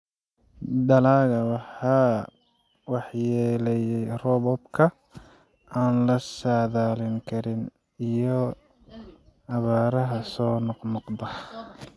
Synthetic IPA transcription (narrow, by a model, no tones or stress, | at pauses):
d̪ɐlaːɣɐwɑħɑː | wɑħjɛːlɛjɛjrɔβɔbkʰɐ | aːnlɐsaːðaːlɪŋkʰɐɾɪn | ijɔ | ɐβaːɾɐɦɐsɔːnɔqnɔqd̪ɐ